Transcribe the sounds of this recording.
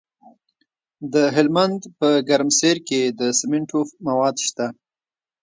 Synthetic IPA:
d̪əɦɪlmand̪pəɡaɾmseɾked̪əsɪmɪɳʈʰofmawɑd̪ʃt̪a

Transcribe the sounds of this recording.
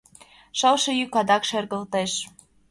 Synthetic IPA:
ʃɤlʃɤ̆jykɑd̪ɑkʃerɣə̆lt̪eʃ

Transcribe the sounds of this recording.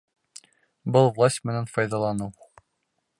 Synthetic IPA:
bɤlˠvlˠasʲtʲmɘ̆nænfɒjd̪ɑlˠɑnɤw

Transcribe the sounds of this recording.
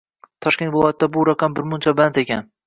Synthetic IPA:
t̪ʰɒʃkʲe̞nt̪vɪlˠɒjat̪ɪd̪abʊɾaqʰɑmbɪɾmʊnt͡ʃʰabant̪ekʲan

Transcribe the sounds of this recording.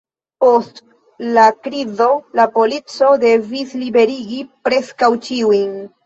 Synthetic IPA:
ost | lakɾizo̞lapo̞lit͡so̞de̞vislibe̞ɾiɡipɾe̞skawt͡ʃiujn

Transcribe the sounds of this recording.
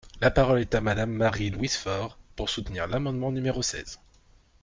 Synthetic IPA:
lapaʁɔlɛt̪amad̪amːaʁilwisfɔʁpuʁsut̪niʁlamɑ̃d̪mɑ̃nymeʁosɛ̰z̥

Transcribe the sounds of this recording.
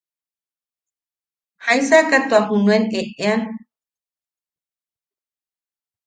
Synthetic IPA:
hajsakat̪uahunueneʔean

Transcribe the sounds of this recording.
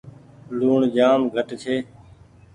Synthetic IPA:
luːɳd͡ʒaːmɡʱəʈt͡ʃʰeː

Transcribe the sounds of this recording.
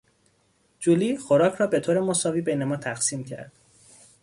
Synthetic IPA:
d͡ʒuliːxoɾɒːcʰɾɒːbe̞t̪ʰoːɾemo̞sɒːviːbejnemɒːt̪ʰæxsiːmcʰæ̰ɾd̪̥

